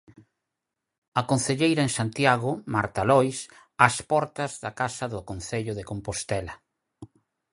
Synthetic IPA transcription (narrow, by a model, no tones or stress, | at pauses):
ɐkon̟θeʎejɾɐẽŋsant̪jaɣʊmaɾt̪alɔjs | aspɔɾt̪ɐzðakasɐðʊkonθeʎʊðekompost̪ɛlɐ